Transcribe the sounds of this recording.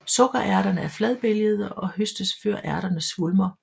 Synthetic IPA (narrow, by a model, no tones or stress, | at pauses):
sɔ̽ɡ̥ɐʔæɐɾ̥ɐnəæɐflɛðˠb̥eljəð̞̩ˠəɒ̽høsd̥əsføɐ̰ʔæɐɾ̥ɐnəsʋulmɐ